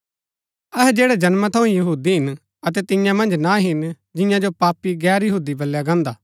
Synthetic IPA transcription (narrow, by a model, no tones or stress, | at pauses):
ɐɦɛd͡ʒeːɽɛd͡ʒɐnmət̪ʰɐũjɐɦuːd̪iɦɪn | ɐt̪̬ɛt̪ɪ̃jãmɐ̃nd͡ʒnaɦɪn | d͡ʒɪ̃jãd͡ʒopaːpiɡɛːɾjɐɦuːd̪ibɐlːjaɡãːnd̪aː